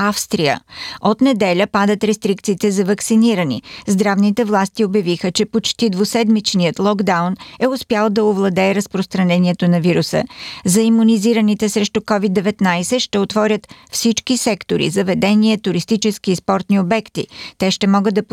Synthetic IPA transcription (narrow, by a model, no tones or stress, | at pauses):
afst̪ɾiə̰ot̪nɛd̪ɛlʲəpad̪ət̪ɾɛst̪ɾikt̪siːt̪ɛzɐvɐksiniɾənḭzd̪ɾavnit̪ɛvlˠast̪iobjɐvixət͡ʃɛpot͡ʃt̪id̪vosɛd̪mit͡ʃniət̪lˠɔɡd̪awnɛʊspjalˠd̪ɐovlˠɐd̪ɛːɾəspɾost̪ɾɐnɛniɛt̪onɐviɾusə̰zɐimːuniziɾənit̪ɛsɾɛʃt̪ukɔvid̪ːɛvɛt̪najsɛʃt̪ɛot̪vɔɾʲət̪fsit͡ʃkisɛkt̪oɾḭzɐvɛd̪ɛniɛt̪ʊɾist̪it͡ʃɛsk̟ispɔɾt̪niobɛkt̪it̪ɛʃt̪ɛmɔɡəd̪ɐp